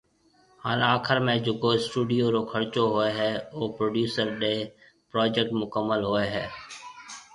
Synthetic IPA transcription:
haːlaːkʰəɾmẽːd͡ʒoːkoːɪsʈuːɖɪjoːɾoːkʰəɾt͡ʃoːɦoːeːɦɛːoːpɾoːɖjuːsəɾɗeː | pɾoːd͡ʒek̚ʈmʊkəmːəlɦoːeːɦɛː

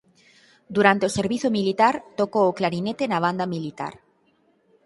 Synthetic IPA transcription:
d̪uɾant̪eoseɾβiθomilit̪aɾt̪okoːklaɾinet̪enaβ̞and̪amilit̪a̰ɾ

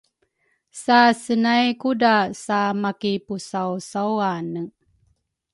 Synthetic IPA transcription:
sasənajkudasamakipusawsawanə

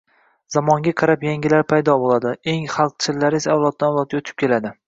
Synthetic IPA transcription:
zamɒŋɡʲaqʰɑɾapjaŋɡʲɪlaɾpʰajd̪ɒbolˠad̪ɪe̞ŋχɑlˠq̚t͡ʃʰɪllːaɾɪsaawlˠɒt̪̚d̪anawlˠɒt̪̚ɡʲot̪ʰɪ̥p̚kʲʰe̞lad̪ɪ

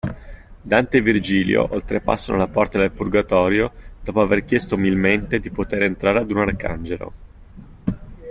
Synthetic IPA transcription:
d̪ant̪evird͡ʒiːljo̰ʔolt̪ɾepa̰sːanʔo̰lapɔrt̪ad̪elpurɡat̪ɔːɾjod̪̥ɔːpoaverk̟jɛst̪oumilment̪ed̪ipot̪eɾent̪ɾaːɾead̪unarka̰nd͡ʒelo̰

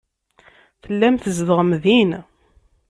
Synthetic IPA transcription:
θəlːæmθəzðəʁəmðin

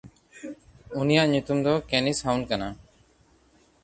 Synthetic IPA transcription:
unijaʔɲut̪umd̪ɔkenishawnkana

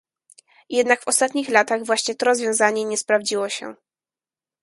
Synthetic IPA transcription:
jɛd̪nakfɔst̪at̪ɲixlat̪aɣvwaɕɲɛt̪ɔɾɔzvʲjɔ̃w̃zaɲɛɲɛspɾavd͡ʑiwɔɕɛ̰

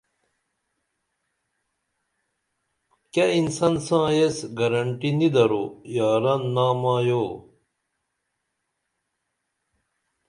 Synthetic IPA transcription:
keinsɐnsãːjesɡɐɾɐɳʈinid̪ɐɾojaːɾɐnːaːmãːjoː

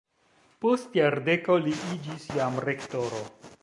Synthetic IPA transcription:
postjaɾde̞ko̞liʔid͡ʒisjamɾe̞kto̞ɾo̰

